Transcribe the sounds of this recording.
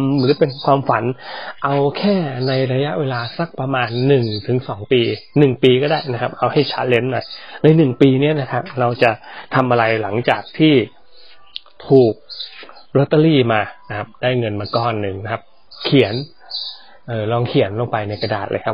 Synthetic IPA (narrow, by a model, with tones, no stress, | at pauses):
ɾɯː˩˦pe˧nkʰwaː˧mfa˩˦nʔa˧wkʰɛː˥˩na˧jɾa˧ja˦˥ʔweː˧laː˧sa˦˥˩k̚pɾa˧maː˧nːɯ˨˩ŋt̪ʰɯ˩˦ŋsɔː˩˦ŋpiː˧nɯ˨˩ŋpiː˧kɔː˥˩daː˥˩jna˦˥kʰa˦˥p̚ʔa˧wha˥˩jt͡ɕʰa˦˥t̪̚le˦˥nːɔ˨˩jna˧jnɯ˨˩ŋpiː˧ni˦˥ɐna˦˥kʰa˦˥p̚ɾa˧wt͡ɕa˨˩t̪ʰa˧mʔa˧ɾa˧jla˩˦ŋt͡ɕaː˨˩k̚t̪ʰiː˥˩ | t̪ʰuː˨˩k̚ | ɾo˦˥t̪ːa˧liː˥˩maː˧na˦˥kʰa˦˥p̚daː˥˩jŋɤ˧nmaː˧kɔː˧˩nːɯ˨˩ŋn˦˥kʰa˦˥p̚ | kʰi˨˩˦ən | ʔɤː˨˩lɔː˧ŋkʰi˩˦nlo˧ŋpa˧jna˧jka˧da̰ː˨˩t̪ʔɤ̰ː˧jkʰa˦˥